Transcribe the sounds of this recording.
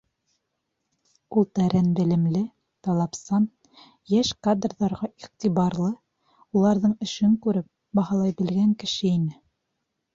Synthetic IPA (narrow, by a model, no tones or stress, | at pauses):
ulˠt̪æɾænbɘ̆lɘ̆mlɘ | t̪ɑlˠɑpsɑn | jæʃkad̪rðɑɾʁɑiqt̪iβɑɾlˠɤ | ulˠɑɾðɤɴɵ̆ʃɘŋkʉɾɘp̚ | bɑhɑlˠɑjbɘ̆lɡæŋkɘ̆ʃɘinɘ